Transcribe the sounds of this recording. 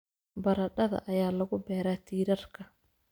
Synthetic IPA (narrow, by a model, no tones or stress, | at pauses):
bɐɾɐɖɐðɐ̰ʔɐjaːlɐɣʊbɛːɾaːt̪ʰiːɾɐrkʰɐ